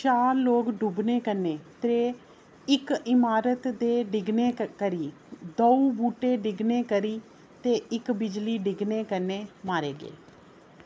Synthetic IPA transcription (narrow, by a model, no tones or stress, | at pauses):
t͡ʃaːɾloːkɖubneːkəɾnːeːt̪eː | ɪkɪmaːɾət̪d̪eːɖɪɡneːkəɾiː | d̪oubuːʈeːɖɪɡneːkəɾiː | t̪eːʔɪkbɪd͡ʒliːɖɪɡneːkəɾnːeːmaːɾeːɡḛː